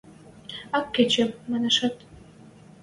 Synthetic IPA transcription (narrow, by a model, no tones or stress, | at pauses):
ɑkːet͡ɕemmɑneʃɑt̪